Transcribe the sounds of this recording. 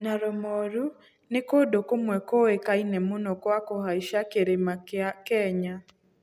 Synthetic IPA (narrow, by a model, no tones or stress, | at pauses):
naɾɔmɔɾu | nekodokomwɛkoekainɛmonɔkwakoɦaiʃakeɾemakɛɲa